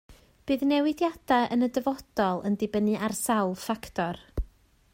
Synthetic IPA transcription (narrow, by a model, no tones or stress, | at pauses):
b̥ɨːðnɛwɪdjad̥aənədəvɔd̥ɔlˠə̰ndɪbənɨʔarsawlˠfakʰtʰɔr